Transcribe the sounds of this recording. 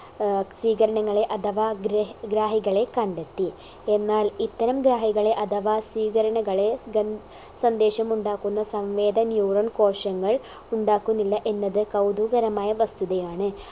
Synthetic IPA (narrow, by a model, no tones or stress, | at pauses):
sʋiːkɐɾɐɳɐŋːɐɭe̞ʔɐt̪ʰɐʋaːɡɾɡɾaːɦiɣɐɭe̞kɐɳɖet̪ːi | enːaːlit̪ːɐɾɐmɡɾaːɦiɣɐɭe̞ʔɐt̪ʰɐʋaːsʋiːkɐɾɐɳɐɣɐɭe̞ɡɐ | sɐnd̪eːʂɐmuɳɖaːkːunːɐsɐmʋe̞ːd̪ɐnjuːɾɐnko̞ːʂɐŋːɐɭ | uɳɖaːkːunːilːɐʔe̞nːɐðɨkɐwd̪uːɣɐɾɐmaːjɐʋɐst̪uðɐjaːɳɨ